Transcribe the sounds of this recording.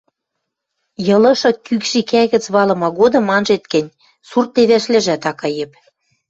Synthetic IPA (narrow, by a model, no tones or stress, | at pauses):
jɤ̆lɤ̆ʃɤ̆kykʃikæɣɘ̆t͡sβɑlɤ̆mɑɣod̪ɤ̆mːɑnʒet̪kɘ̆nʲ | surt̪̚ːeβæʃlɘ̆ʒæt̪ɑkɤ̆jĕp